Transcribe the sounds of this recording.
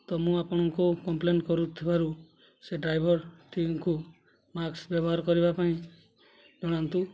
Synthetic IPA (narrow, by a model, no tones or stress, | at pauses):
t̪ɔmũapɔɽ̃ɔŋkukɔmplenʈkɔɾut̪ʰibaɾu | seɖɾajbʱɔɾt̪iŋku | maksbjɔbɔɦaɾɔkɔɾibapaĩ | d͡ʒɔɽ̃ant̪u